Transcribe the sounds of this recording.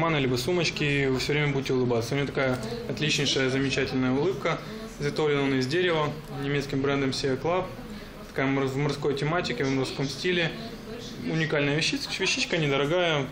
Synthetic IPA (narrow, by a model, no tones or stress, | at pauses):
manɨlʲibəsumət͡ɕkʲɪvɨfsʲɵvɾʲemʲəbudʲɪtʲɪʊlˠɨbat̪səʊnʲɪʋʲot̪ɐkajəɐt̪lʲit͡ɕnʲɪjʂəjəzəmʲɪt͡ɕætʲɪlʲnəjəʊlˠɨp̚kə | zɐt̪ovlʲɪnəonəɪzʲdʲeɾʲɪvə | nʲɪmʲet̪skʲɪmbɾɛnd̪əmsʲevʲɐklˠap̚ | t̪ɐ̥kajəmvmɐrsko̞jtʲɪmatʲɪkʲɪvmɐrsko̞msʲtʲilʲɪ | ʊnʲɪkalʲnəjəvʲɪɕːivʲɪɕːit͡ɕkənʲɪd̪əɾɐɡajə